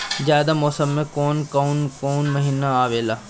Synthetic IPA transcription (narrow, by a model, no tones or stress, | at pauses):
zjaːd̪amɔːsəmːẽkoːnkoːnkoːnmɐɦiːnaaːʋeːlaː